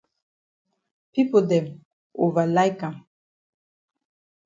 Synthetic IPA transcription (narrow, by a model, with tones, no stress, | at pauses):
pi˦po˨dɛ˨m | o˨va˨la˦jka˨